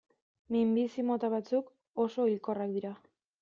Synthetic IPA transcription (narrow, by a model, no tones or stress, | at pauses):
mimbisimo̞t̪aβat͡suk | o̞so̞ilko̞rak̚d̪iɾa